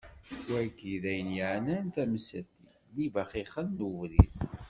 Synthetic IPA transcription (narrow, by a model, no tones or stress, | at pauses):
wæjkiðæjənjəʕnænt̪æməsæt̪ːi | livæχiχənːuvɾiθ